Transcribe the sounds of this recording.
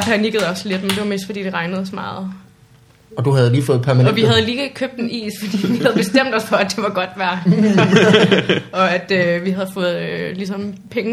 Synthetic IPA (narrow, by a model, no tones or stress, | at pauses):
pʰæniɡ̥əð̞̩ˠɒ̽sle̝d̥mend̥e̝ʋɑ̈me̝̰ːsd̥fɒ̥ḭːd̥e̝ʁɑ̈ɪnəð̞̩ˠɒ̽smɑ̈ːð̞̩ˠ | ɒ̽d̥uɦæð̞̩ˠliːfɔ̽ð̩ˠpʰæɐmæɒʋiɦæðˠliːkʰøb̥̚d̥enʔḭːsfɒ̽d̥ḭːʋihæð̞ˠb̥e̝sd̥em̰d̥ɒ̽sfɒ̽æd̥e̝ʋɑ̈ɡ̥ɒ̽d̥ʋæɐ | ɒ̽æd̥øʋiɦæð̞̩ˠfɔ̽ːð̞̩ˠlisɒ̽mpʰeŋ